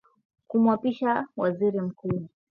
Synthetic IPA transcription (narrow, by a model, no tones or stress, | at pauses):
kumwapiʃawaziɾim̩kuː